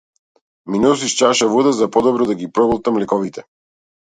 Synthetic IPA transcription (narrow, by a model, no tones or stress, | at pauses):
minɛus̬iʃt͡ʃaʃavud̪azapɔd̪ɔbɾɔd̪aɡipɾɔbɔlˠt̪amlɛkɔvit̪ɛ